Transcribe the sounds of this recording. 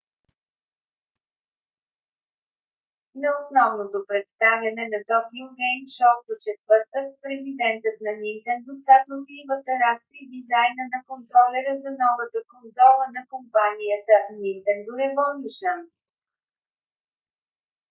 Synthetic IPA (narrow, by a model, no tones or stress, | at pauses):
zɐosnɔvnot̪opɾɛt̪st̪avjɐnɛnɐt̪ɔkʲiʊɾɛjmʃɔkd̪ot͡ʃɛt̪vɤɾt̪əkpɾɛzid̪ɛnt̪ət̪nɐnint̪ɛnd̪ʊsat̪ok̪nʲivət̪ɐɾast̪ɾid̪izajnənɐkont̪ɾɔlɛɾəzɐnɔvət̪əkonzɔlˠənɐkompanijət̪ənint̪ɛnd̪ʊɾɛvɔnʲiʃən